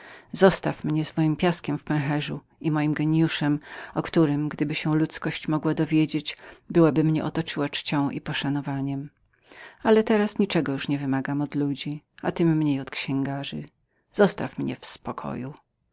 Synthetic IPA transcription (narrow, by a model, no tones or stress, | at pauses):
zɔst̪afmɲɛzmɔjimpʲjaskʲɛmfpɛ̃w̃ɦɛʐu | imɔjimɡɛɲjuʂɛmɔkt̪uɾɘmɡd̪ɘbɘɕɛlut̪skɔɕt͡ɕmɔɡwad̪ɔvʲjed͡ʑet͡ɕbɘwabɘmɲɛʔɔt̪ɔt͡ʂɘwat͡ʂt͡ɕɔ̃w̃ʔipɔʂanɔvaɲɛm | alɛt̪ɛɾasɲit͡ʂɛɡɔjuʂɲɛvɘmaɡamɔd̪lud͡ʑia̰t̪ɘmːɲejɔt̪kɕɛ̃ŋɡaʐɨ̰ | z̥ɔst̪a̰fmɲɛ̰fspɔkʰɔ̰ju